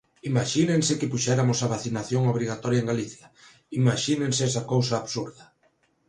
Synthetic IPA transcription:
imaʃineŋsɪkɪpuʃɛɾamʊsaβaθinaθjoŋoβɾiɣat̪ɔɾjaeŋɡaliθjɐ | imaʃinẽŋseɛsakowsaːβsuɾðɐ

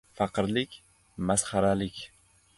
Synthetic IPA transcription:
faqʰɨɾlɪkʲ | masχaɾalɪkʲ

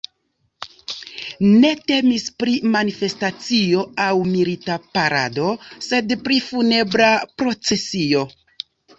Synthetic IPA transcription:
ne̞te̞mispɾimanife̞stat͡sio̞awmilitapaɾa̰do̞se̞dpɾifune̞bɾapɾo̞t͡se̞sio̞

